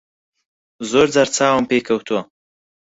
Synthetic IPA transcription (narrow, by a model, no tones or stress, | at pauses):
zoɾd͡zaɾt͡sɑːwampekʰawt̪ʰo